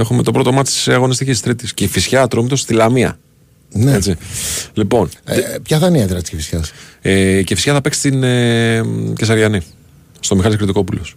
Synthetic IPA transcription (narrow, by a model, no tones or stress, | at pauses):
exumet̪o̞pɾo̞t̪omɐt̪t̪seɐɣo̞nist̪icisst̪ɾit̪isceifisçɐt̪ɾomit̪o̞st̪ilɐmiɐ̰ | net͡silipo̞npçɐðɐniɐðɾɐst̪scifisçɐsecefisçɐθɐpeksi̥st̪ine | cesɐɾʝɐni | st̪o̞mixɐliskɾit̪iko̞pulo̞s